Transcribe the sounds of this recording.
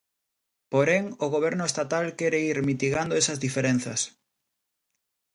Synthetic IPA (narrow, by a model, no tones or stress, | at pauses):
poɾeŋoɣoβ̞ɛɾnʊest̪at̪alkeɾeiɾmit̪iɣand̪oesɐzðifeɾen̟θɐ̰s